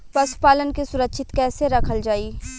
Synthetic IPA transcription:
pɐsʊ̥paːlənkisʊɾəkʃʰɪt̪kɛːseɾɐkʰəld͡ʒaːiː

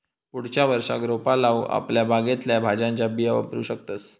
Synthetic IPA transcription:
puɽ̤t͡ɕjaʋəɾʂa̰ɡɾopalaʋa̰pljabʱaɡet̪ljabʱad͡ʑãɲt͡ɕabiaʋə̰pɾṵːɕək̚t̪əs

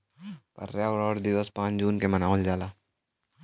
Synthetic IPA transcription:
pɐ̰ɾjaɔɾɔːɽd̪ɪʋəspãːt͡ʃd͡ʒuːnkemɐnaːɦld͡ʒaːlaː

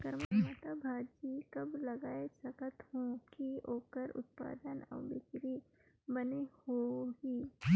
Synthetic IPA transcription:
kəɾməmət̪abʱad͡ʒikɐblɐɡaːesəkət̪ɦõkioːkəɾʊ̰t̪̚pa̰ːd̪ənɐ̰wbɪkɾi | bənehoɡiː

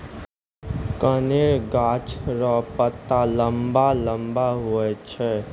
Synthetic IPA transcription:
kəneɾɡat͡ʃɾɔpət̪ːaləmbaləmbaɦuɛt͡ʃʰɛ

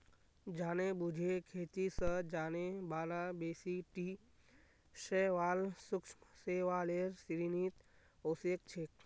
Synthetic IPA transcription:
d͡ʒaːnebud͡ʒʱekʰeːt̪isəd͡ʒaːnebaːlabeːsiʈi | ʃeʋaːlsʊkʃməseʋaleɾsiɾiniːt̪ | oːsek̚t͡ʃʰek

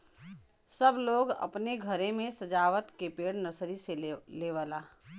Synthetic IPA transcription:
səbloːɡɐ̰pneɡʱəɾẽmẽsɐd͡ʒaːʋət̪kepeːɽnəsɾiseleːʋəlaː

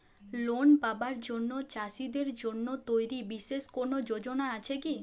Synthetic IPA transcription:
lonpabaɾd͡ʑonːot͡ɕaʃid̪eɾd͡ʑonːot̪ojɾibiʃːeʃkoɾnod͡ʑod͡ʑonaat͡ɕʰeki

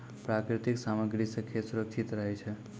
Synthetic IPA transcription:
pɾakɾɪt̪iksaməɡɾisəkʰijesuɾəkʃʰit̪ɾəɦet͡ʃʰe

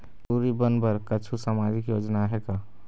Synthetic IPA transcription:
puːɾibənbəɾkət͡ʃʰusəmaːd͡ʒɪkjoːd͡ʒnaɦɛka

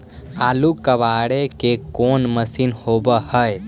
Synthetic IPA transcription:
aːlukəʋaɽekekonməsinhobəhəj

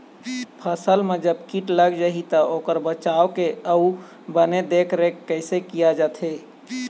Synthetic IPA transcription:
pʰəsəlmed͡ʒəbkiʈləɡd͡ʒaɦit̪əokəɾbət͡ʃaokeəu | bəned̪ekʰɾekːəɪsekijad͡ʒat̪ʰɦe

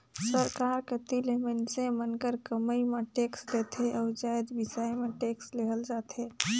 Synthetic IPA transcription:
səɾkaːɾket̪ilemənsẽmənkəɾkəməimẽʈeːksleːt̪eʔɔːɾd͡ʒaːjd̪ʋɪsaːjmẽʈeːksleːɦəld͡ʒaːt̪eː

